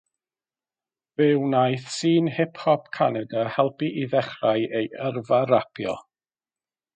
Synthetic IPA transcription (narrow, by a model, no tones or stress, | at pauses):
vɪwnajθsiːnhɪpʰhɔpkʰanɛdahɛlˠpiʔiðɛχrajejərvaɾapʰjɔ̰